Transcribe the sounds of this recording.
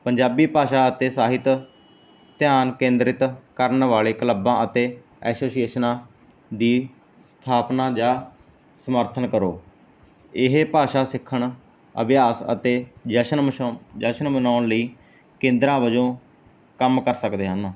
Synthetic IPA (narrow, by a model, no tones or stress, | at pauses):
pəɲd͡ʒaːbiːpaːʃaːət̪eːsaːɦɪt̪ | t̪ɪjaːnkẽːnd̪ɾɪt̪kəɾnʋaːleːkələbãːət̪eː | ɛːsoːsijeːʃnãː | d̪iː | st̪ʰaːpnaːd͡ʒaː | səməɾt̪ʰənkəɾo̰ː | ɪɦepaːʃaːsɪkʰːəɳ | ə̰bjaːsə̰t̪eːd͡ʒəʃənd͡ʒəʃənmənaːnləiː | kẽːnd̪ɾãːʋəd͡ʒõː | kəmkəɾsəkd̪eːɦən